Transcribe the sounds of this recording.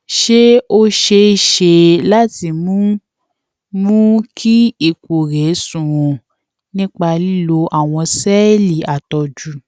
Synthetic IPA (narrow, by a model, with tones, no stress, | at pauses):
ʃe˦o˦ʃe˧˦˨ʃe˧la˦ti˧mũ˦ | mũ˦kʰi˦i˦˨ko˨ɾɛ˨˦sũ˦˨w̃ɔ̃˨ | nĩ˦k͡pa˧li˦lo˧ʔa˦˨w̃ɔ̃˧sɛ˦li˨a˨tɔ˧d͡ʒu˨˦